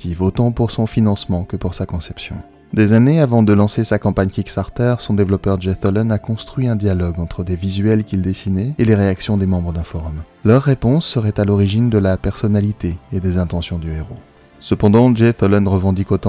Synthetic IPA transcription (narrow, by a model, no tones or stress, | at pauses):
t̪ivot̪ɑ̃puʁsɔ̃finɑ̃smɑ̃kəpuʁsakɔ̃sɛpsjɔ̰̃ | d̪ezaneavɑ̃d̪əlɑ̃sesakɑ̃paɲkʲikst̪aʁt̪ɛʁsɔ̃d̪evlɔpœʁd͡ʒɛt̪ɔlɔnakɔ̃st̪χɥiɛ̃d̪jalɔɡɑ̃t̪χəd̪evizɥɛlkʲild̪esinɛeleʁeaksjɔ̃d̪emɑ̃bʁəd̪ɛ̃fɔʁɔm | lœʁːepɔ̃sːəʁɛt̪alɔʁiʒind̪əlapɛʁsɔnalit̪eed̪ezɛ̃t̪ɑ̃sjɔ̃d̪yeʁo | səpɑ̃d̪ɑ̃ʒet̪ɔlɔnʁəvɑ̃d̪ikot̪ɑ̃